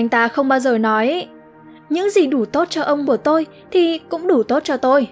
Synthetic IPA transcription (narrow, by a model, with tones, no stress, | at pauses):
jŋ̟t̪aː˧xə˧wŋ͡mɓaː˧wzəː˨˩nɔ˨˦j | ɲɨ̰˧˥ŋzi˨˩ɗu˧˩t̪o˦˥t̚t͡ɕɔ˧ʔə˧wŋ͡mku˧˩ət̪o˧j | t̪ʰi˨˩kʊ̰˧˥ŋ͡mɗu˧˩t̪o˦˥t̚t͡ɕɔ˧t̪o˧j